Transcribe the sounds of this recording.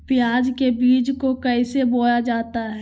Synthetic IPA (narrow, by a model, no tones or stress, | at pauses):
pɪjaːd͡ʒkebiːd͡ʒkokɐɪseboːjad͡ʒaːt̪aɦɛː